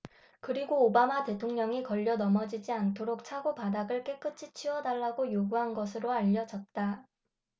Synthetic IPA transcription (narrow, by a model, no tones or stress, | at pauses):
kɯɾiɡoːbamate̞tʰoŋɲʌŋikʌʎːʌnʌmʌd͡ʑid͡ʑiantʰoɾok̚t͡ɕʰaɡopadaɡɯɭk͈e̞k͈ɯt͡ɕʰit͡ɕʰiwʌdaɭːaɡojoɡuɦanɡʌs̬ʰɯɾoaʎːʌd͡ʑʌt̚t͈a